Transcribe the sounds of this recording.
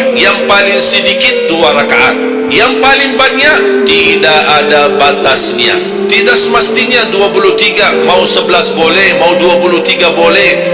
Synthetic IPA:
jaŋpalɪŋsədikɪt̪̚duaɾakaʔa̰t̪̚ | jaŋpalɪŋbaɲaʔt̪idaʔadabat̪asɲa̰ | t̪idaksəməst̪iɲaduapuluht̪iɡamausəbəlasbolɛhmauduapuluht̪iɡabolɛh

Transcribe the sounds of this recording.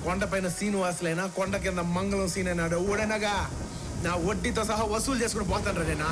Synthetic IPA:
kɔɳɖɐp̬ɐjnɐsiːnʋaːsileːnaːkɔɳɖɐk̬ːɛɐnd̪ɐmɐŋɡɐɭɐ̃siːneːnaːɖɐwuɽɐnɐɡɐ | naːoʈːit̪ːõːsɐɦɐʋɐsuːlt͡ʃeːskuɳːɖpoːt̪aːnɾɐðenaː

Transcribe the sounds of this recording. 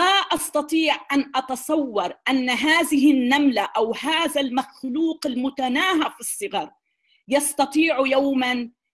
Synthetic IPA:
aʔɑst̪ɑt̪ˤiːʕʔanʔɑt̪ɑsˤɑwːɑɾˤʔanːaɦaːðɪɦɪnːamlaʔawhaːðalmaxluːqɪlmʊt̪anaːhafisˤːɨɣɑɾˤ | jɑst̪ɑt̪ˤiːʕjawman

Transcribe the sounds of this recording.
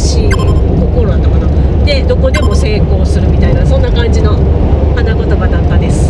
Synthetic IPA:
ɕikokoɾoanːakana | d̪e̞d̪o̞ko̞d̪e̞mo̞se̞ːko̞ːsɨɾɯ̟mʲit̪ainasõ̞nːakãɲ̟d͡ʑino̞ | hanaɡot̪oɡad̪ak̪ːad̪e̞sɨ̥

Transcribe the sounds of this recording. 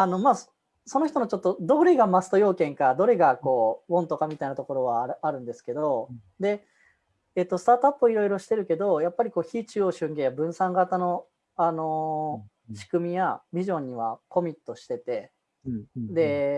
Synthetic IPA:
ano̞maːs | so̞no̞çʲi̥t̪onot͡ɕo̞t̪ːo̞d̪o̞ɾe̞ɡamasɨ̥t̪ojo̞ːkẽ̞ŋkad̪o̞ɾe̞ɡako̞ːbõ̞nt̪o̞kamʲit̪ainat̪o̞ko̞ɾo̞βaaɾɯ̟̃nd̪e̞sɨ̥ke̞d̪o̞ | d̪e̞ː | t̪ːo̞sɨ̥t̪aːt̪apːɯiɾo̞iɾo̞ɕi̥t̪e̞ɾɯ̟ke̞d̪o̞japːaɾʲikoːçiːt͡ɕɨoːɕɨ̃ŋɡẽ̞jabɯ̟̃ɰ̃sãŋɡat̪ano̞ | ano̞ | ɕi̥kɯ̟mʲijabʲiʑõ̞ɲ̟ːiβ̞a̰ko̞mʲit̪ːo̞ɕi̥t̪e̞t̪e̞ | d̪e̞

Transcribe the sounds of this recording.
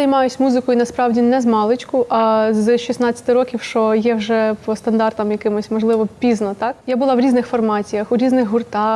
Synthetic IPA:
ɐjmɑjʊsʲmuzɪkɔjʊnɐspɾɑwdʲinɛzmɑlˠɪt͡ʃkʊʔɐzʃʲisnɑt͡sʲːɐ̥t̪ɪɾɔkʲiwʃt͡ʃɔjɛwʒɛpɔst̪ɐnd̪ɑrt̪ɐmjɐkɪmʊsʲmɔʒlˠɪʋɔpʲiznɔt̪ɑkjabʊlˠɑwɾʲiznɪxfɔrmɑt͡sʲijɐxʊɾʲiznɪɣɦʊrt̪ɑ

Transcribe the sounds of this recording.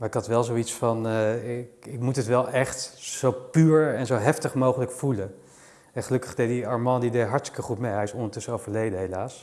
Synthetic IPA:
maːɹɪkɦɑtʋɛlˠzowitsfɑnɪkɪkmutɦətʋɛlˠʔɛχtzowpyːɹɛnzowɦɛftəχmowχələkfulə | ɛχəlɵkəχdej̚diɑɹmɑndideɦɑɹtstɪ̥kəχutmejɦɛjɪsɔndəɹtɵsəowvəɹlejdəɦelaːs

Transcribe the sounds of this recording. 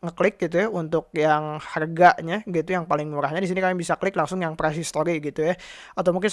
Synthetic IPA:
ŋəklɪk̚ɡit̪̬ujaunt̪ʊk̚jaŋharɡaʔɲaɡit̪ujaŋpalɪŋmuɾahɲadisinikamibisakəlɪklaŋsʊŋjaŋpɾasist̪oɾiɡit̪uja | at̪awmuŋkɪn

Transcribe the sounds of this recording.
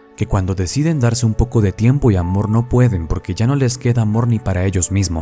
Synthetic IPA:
ke̞kwand̪o̞ðe̞siðe̞nd̪aɾse̞umpo̞ko̞ðe̞t̪je̞mpo̞iamo̞ɾno̞pwe̞ðe̞mpo̞ɾke̞ʝano̞le̞ske̞ðaːmo̞ɾnipaɾae̞ʝo̞zmizmo̞s

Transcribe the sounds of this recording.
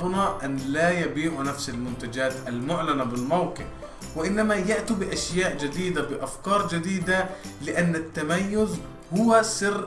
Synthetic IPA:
bʊnaʔanlaːjabiːʕunafsalmʊnt̪ad͡ʒaːt̪ʔalmʊʕlanabɪlmawqɪ̰f | wɪʔɪnːamajaʔt̪ibɪʔaʃjaːʔd͡ʒɪd̪iːd̪abɪʔafkɑːɾˤd͡ʒɪd̪iːd̪alɪʔanːat̪ːamajːʊz | hʊwasɪrː

